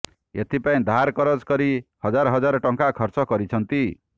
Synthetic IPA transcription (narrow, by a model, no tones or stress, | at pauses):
et̪ʰipaĩd̪ʱaɾkɔɾɔd͡ʒkɔɾihɔd͡ʒaɾɦɔd͡ʒaɾɔʈɔŋkakʰɔɾt͡ʃɔkɔɾit͡ʃʰɔnt̪i